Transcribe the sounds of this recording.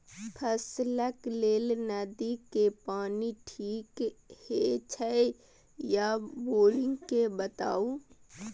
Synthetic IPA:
pʰəsləkleːlnəd̪ikepaːniʈʰiːkhet͡ʃʰəe | jaboːlɪ̃ŋɡkebət̪a̰ːu

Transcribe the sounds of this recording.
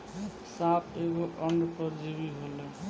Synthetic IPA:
sapʰeɡoʔəɳɖpɔɾd͡ʒibiɦole

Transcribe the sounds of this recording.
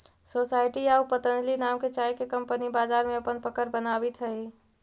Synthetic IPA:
sosaɪʈiaupət̪ənd͡ʒlinamket͡ʃaːjkekə̃mpənibaːd͡ʒaːɾmẽɐpənpəkəɾbənabit̪ɦəi

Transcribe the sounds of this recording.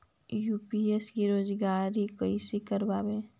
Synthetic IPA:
juːpieskiɾoːzɡaːɾikəisikəɾbaːbeː

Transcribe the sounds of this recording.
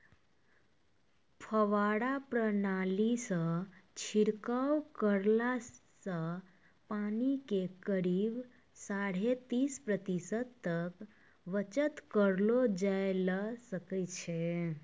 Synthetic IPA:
pʰəʋaɽapɾənalisə̃t͡ʃʰiɾkawkəɾlasə̃ | panikekəɾib | saɽ̤et̪ispɾət̪isət̪t̪ək | ʋət͡ʃət̪kəɾlod͡ʒaelasəkət͡ʃʰe

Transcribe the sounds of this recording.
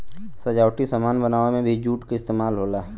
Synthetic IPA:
sɐd͡ʒaːʊʈisɐmaːnbənaːʋemẽbʱid͡ʒuːʈkaɪst̪eːmaːlɦoːlaː

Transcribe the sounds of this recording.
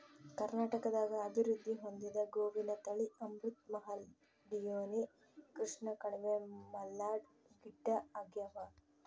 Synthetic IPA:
kɐɾnaːʈɐkɐd̪aːɡɐːbʱiɾud̪ʱːiɦo̞nd̪id̪ɐɡoːʋinɐt̪ɐɭiʔɐmɾut̪̚mɐɦɐl | ɖijoːni | kɾiʂɳɐkɐɽɛmemɐlːaːɖ | ɡiɖːɐɐɡjɐʋɐ

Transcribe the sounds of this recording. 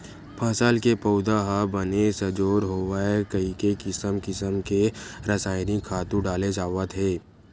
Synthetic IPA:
pʰɐsaːlkepəʊd̪aɦabɐnesɐd͡ʒoːɾɦoːʋaekɐikekɪsəmkɪsəmkeɾɐsaːɪnikʰːaːt̪ũɖaːled͡ʒaːʋət̪ɦeː

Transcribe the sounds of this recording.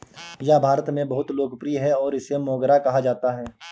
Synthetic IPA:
jabʱaːɾət̪mẽbɐɦʊt̪loːɡəpɾiɦɛɔːɾɪsemɔ̃ːɡɾakɐɦad͡ʒaːt̪aɦɛː

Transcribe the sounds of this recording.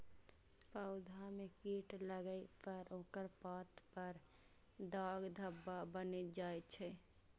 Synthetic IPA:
paʊd̪ʱamekiːʈləɡəepʰəɾõːkəɾpaːt̪pəɾ | d̪aːɡd̪ʱəbːabəned͡ʒaːet͡ʃʰɛ

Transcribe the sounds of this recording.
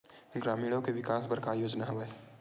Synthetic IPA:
ɡɾaːmiːɽõkeʋɪkaːsbəɾkajoːd͡ʒnaɦɐʋeː

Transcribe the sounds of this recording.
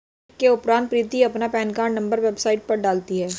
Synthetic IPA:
ʈkeʊpɾãːnt̪̚pɾiːt̪iɐpnapɛːnkaːɾnɐ̃mbəɾʋeːbsaːɪʈ̚pɐɾɖaːlt̪iɦɛː

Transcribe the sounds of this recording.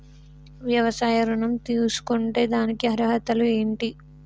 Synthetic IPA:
ʋjɐʋɐsaːjɐɾuɳɐmt̪iːlusu̥kuɳʈe̞ːd̪aːnikiɐɾɐɦɐt̪ɐlue̞ːɳʈi

